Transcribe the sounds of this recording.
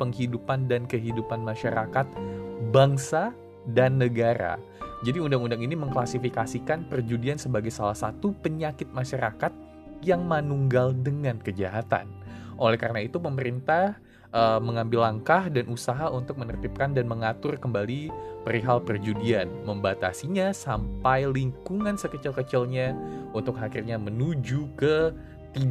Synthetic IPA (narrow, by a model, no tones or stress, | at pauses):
pəŋhidupandankəɦidupanmaʃaɾakat̪̚baŋsa | danːəɡaɾa̰ | d͡ʒadiundaŋundaŋiniməŋklasifikasikanpərd͡ʒudiansəbaɡajsalahsat̪upəɲakɪt̪̚maʃaɾakat̪̚ | jaŋmanuŋɡaldəŋankəd͡ʒaɦat̪a̰nʔolɛhkaɾənait̪upəməɾint̪ah | ʔəməŋambɪlːaŋkahdanʔusaɦaʔunt̪ʊk̚mənərt̪ɪp̚kandanməŋat̪ʊrkəmbalipəɾiɦalpərd͡ʒudianməmbat̪a̰siɲasampajliŋkuŋansəkət͡ʃɪlkət͡ʃɪlɲaunt̪ʊk̚ɦakirɲamənud͡ʒukə | t̪i